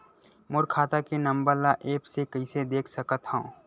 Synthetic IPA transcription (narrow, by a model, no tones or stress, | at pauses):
mʊɾkʰaːt̪akenɐ̃mbəɾlaʔeːpsekɐised̪eːkʰsɐkət̪hõː